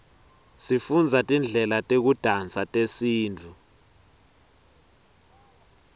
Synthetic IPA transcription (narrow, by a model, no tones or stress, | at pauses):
sifund͡zʱatʼind͡ɮʱɛlatʼek̬ud̥ʱant͡sʼatʼesiːntʰu